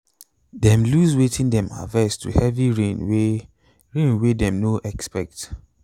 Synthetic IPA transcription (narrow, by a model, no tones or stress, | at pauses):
dɛ̃mluzwetʰĩndɛ̃ma̰vɛstʰṵhɛviɹẽnw | ɹẽnwedɛ̃mnoʔɛkspɛk̚t